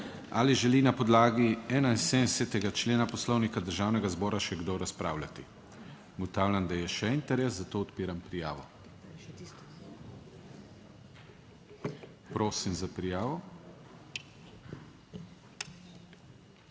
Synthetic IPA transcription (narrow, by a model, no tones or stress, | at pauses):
a̰liʒɛlinapɔd̪laːɡiɛːnaisesɛt̪ɛɡat͡ʃleːnapɔslɔwnikad̪əɾʒaːwnɛɡazbɔːɾaʃɛɡd̪oɾaspɾa̰ːwlʲat̪i | ɡɔt̪aːwlʲand̪ajɛʃɛint̪ɛɾɛːszat̪oːɔt̪piːɾampɾijaːʋɔ | pɾoːsimzapɾijaːʋɔ